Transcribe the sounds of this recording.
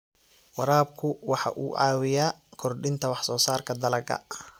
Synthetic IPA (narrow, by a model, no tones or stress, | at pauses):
wɑɾaːb̚kʰʊwɑħɑ̰ʔuːʕɑ̰ːwɪjaːkʰɔrɖɪnt̪ʰɐwɑħsɔːsaːrkʰɐd̪ɐlɐɡɐ̰